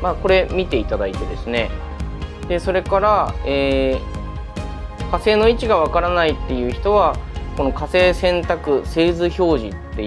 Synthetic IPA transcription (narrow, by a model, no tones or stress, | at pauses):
maːko̞ɾe̞mʲit̪e̞it̪ad̪ait̪e̞d̪e̞sɨne̞ | d̪̥e̞so̞ɾe̞kaɾaeː | kase̞ːno̞it͡ɕiɡaβ̞akaɾanait̪ːe̞jɯ̟ːçi̥t̪o̞β̞ako̞no̞kase̞ːsẽ̞nt̪akɯ̟se̞ːzɨço̞ːʑit̪ːe̞